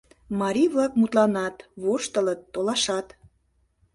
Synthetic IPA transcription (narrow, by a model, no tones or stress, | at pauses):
mɑɾʲijβlɑkmut̪lɑnɑt̪βoʃt̪ələt̪ːolɑʃɑt̪